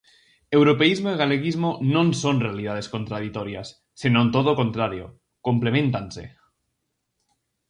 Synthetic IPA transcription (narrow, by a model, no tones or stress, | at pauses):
ewɾopeizmoiɣ̞aleɣizmonõnsonrealið̞að̞eskont̪ɾaðit̪oɾjasː | inont̪oð̞okont̪ɾaɾjo̰ | komplemẽnt̪ansḛ